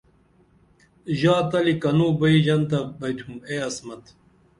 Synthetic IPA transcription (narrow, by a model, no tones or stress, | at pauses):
ʑaːt̪ɐlikɐnuːbɐiʑɐnt̪ɐbɐjt̪ʰumeɐsmɐt̪